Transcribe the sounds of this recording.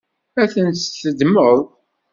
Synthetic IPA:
æθənt̪θəd̪məðˤ

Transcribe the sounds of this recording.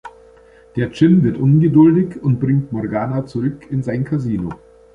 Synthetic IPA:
d̥eːɐt͡ʃɪnvɪɐtʔʊnɡədʊldɪçʊnt̚b̥ʁɪŋtmɔʁɡaːnat͡suʁʏkʰɪnzaɪnkʰaziːno̰

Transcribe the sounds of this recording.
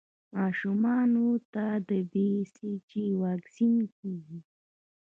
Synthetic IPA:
maːʃʊmɑnut̪ad̪əb̪isɪt͡ʃiwaksɪŋkiɡ

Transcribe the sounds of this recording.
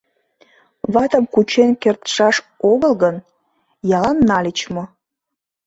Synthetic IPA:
βɑt̪əmkut͡ɕenkert̪ʃɑʃ | oɣəlɣən | jɑlɑnːɑlʲit͡ɕmo

